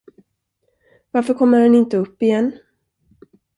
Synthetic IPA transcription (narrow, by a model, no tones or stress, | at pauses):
vaɾfəɾkʰɔmːəɾhɛnɪnt̪əɵpːɪjɛnː